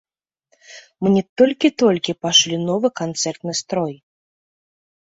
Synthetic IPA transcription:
mɨnʲɛt̪ɔlʲkʲit̪ɔlʲkʲipaʂlʲinɔvɨkant̪sɛrt̪nɨst̪ɾɔj

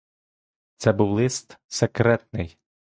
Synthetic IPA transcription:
t̪sɛbuwlˠɪst̪sekɾɛt̪̚nɪj

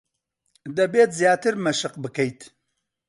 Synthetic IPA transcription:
d̪ɐbeːt̪zjaːt̪ɨɾmɐʃɨqbɨkɐjt̪

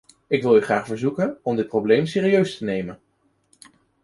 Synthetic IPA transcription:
ɪkʋɪlˠyχraːχvəɹzukənɔmdɪt̚prowblejmsɪːriøɥstənejmən

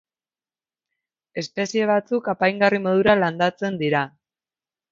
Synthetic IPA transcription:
e̞spe̞sie̞β̞at͡sukapajŋɡarimo̞ðuɾaland̪at͡se̞nd̪iɾa

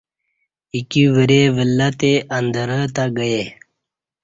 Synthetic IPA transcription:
ikiʋəɾeʋəlːat̪eʔənd̪əɾət̪aɡəje

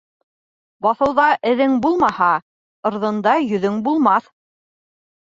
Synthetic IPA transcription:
bɑθɤ̆wðɑʔɘ̆ðɘŋbulˠmɑhɑ | ɤ̆ɾðɤ̆nd̪ɑjɵ̆ðɵŋbulˠmɑθ

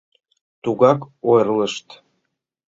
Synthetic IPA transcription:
t̪uɣɑkojrləʃt̪

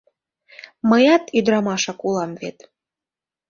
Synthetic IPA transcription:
məjɑt̪yd̪ɾɑmɑʃɑkulɑmvet̪

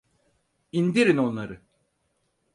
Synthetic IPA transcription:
ind̪iɾino̞nlˠaɾɯ

